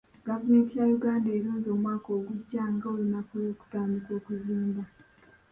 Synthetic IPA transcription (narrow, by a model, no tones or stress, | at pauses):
ɡ̥avume̞ːntijajuɡaːndeːɾuːnzo̞ːmwaːko̞ːɡuɟːaŋɡaolinakujoːku̥taːmbikwo̞ːkuziːmba